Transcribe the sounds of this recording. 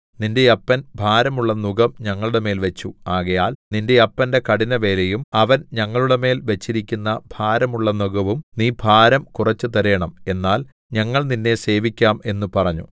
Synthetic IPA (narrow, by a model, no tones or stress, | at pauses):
ninde̞jɐpːɐnbʱaːɾɐmuɭːɐnuɡɐmɲɐŋːɐɭuɽe̞me̞ːlʋet͡ɕːuaːɣɐjaːlninde̞ɐpːɐnde̞kɐɽinɐʋe̞ːlejumɐʋɐnɲɐŋːɐɭuɽe̞me̞ːlʋet͡ɕːiɾikʲːunːɐbʱaːɾɐmuɭːɐnuɣɐʋumniːbʱaːɾɐmkurɐt͡ɕːɨt̪ɐɾɐjɐɳɐme̞nːaːl | ɲɐŋːɐɭninːe̞se̞ːʋikʲːaːme̞nːupɐrɐɲːṵ